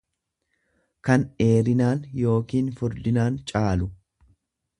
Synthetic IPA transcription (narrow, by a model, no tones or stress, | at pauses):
kɐne̞ːɾɪnaːnjo̞ːkiːnfʊɾd̪ɪnaːnt͡ʃʼaːlʊ